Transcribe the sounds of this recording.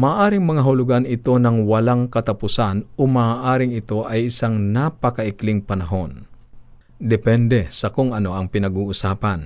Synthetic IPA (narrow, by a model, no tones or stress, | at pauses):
maːʔaːɾɪŋmɐŋaɦʊlʊɡanɪt̪o̞nɐŋwɐlaŋkɐt̪ɐpʊsanomaaːʔaːɾɪŋɪt̪o̞ʔɐjɪsaŋnapɐkɐʔɪklɪŋpɐnɐɦo̞n | d̪ɛpɛnd̪ɛsɐkʊŋɐno̞ʔɐŋpɪnɐɡuːʔʊsaːpɐn